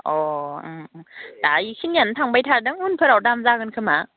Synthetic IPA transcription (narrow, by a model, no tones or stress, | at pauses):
ɔɯmd̥aikʰinjantʰaŋbajtʰadɯŋunpʰɯɾawdamzaɡɯnkʰɯma